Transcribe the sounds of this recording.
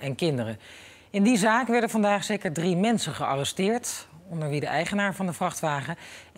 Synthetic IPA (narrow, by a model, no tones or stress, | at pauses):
ɛnkɪndərə | ɪndizaːkʋɛɹdənvɑndaːχsejkəɹdrimɛnsəχəɑrɛstɪːɹtɔndəɹʋidəʔɛjχənaːɹvɑndəvrɑχtʋaːχə